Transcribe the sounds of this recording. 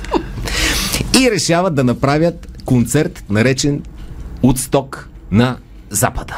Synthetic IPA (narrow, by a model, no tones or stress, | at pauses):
iɾɛʃavɐt̪̚d̪ɐnɐpɾavʲjət̪kont̪sɛɾt̪nɐɾɛt͡ʃɛnot̪st̪ɔk | nɐ | za̰pəd̪ə̥